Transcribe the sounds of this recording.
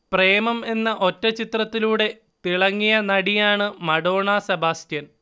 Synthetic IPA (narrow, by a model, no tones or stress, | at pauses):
preːmɐme̞nːɐʔo̞tːɐt͡ɕit̪rɐt̪ːiluːɽe̞ | t̪iɭɐŋːijɐnɐɽijaːɳɨmɐɽo̞ːɳasɐbaːstjɐn